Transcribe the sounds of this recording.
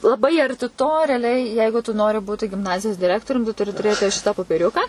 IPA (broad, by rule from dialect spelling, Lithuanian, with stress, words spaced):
lˠɐˈbɐɪ ɐrʲˈtʲɪ toː rʲɛɐˈlʲɛɪ ˈjɛɪɡʊ tʊ ˈnoːrʲɪ ˈbuːtʲɪ ɡʲɪmˈnɑːzʲɪjoːs dʲɪˈrʲæːktoːrʲʊm tʊ tʊˈrʲɪ tʊˈrʲeːtʲɪ ˈʃʲɪtɐ poːpʲɛˈrʲʊkɐ